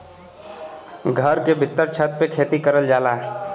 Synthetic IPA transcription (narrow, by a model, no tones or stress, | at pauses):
ɡʱəɾkebʱɪt̪ːəɾt͡ʃʰət̪̚pekʰeːt̪ikəɾəld͡ʒaːlaːɦɛ